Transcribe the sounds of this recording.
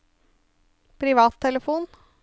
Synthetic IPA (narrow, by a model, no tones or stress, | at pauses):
pʰɾɪʋɑːt̪ʰːɛləfuːn